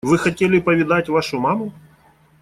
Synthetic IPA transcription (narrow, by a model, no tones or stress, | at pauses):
vɨxɐtʲelʲɪpɐvʲɪd̪atʲvaʂʊmamʊ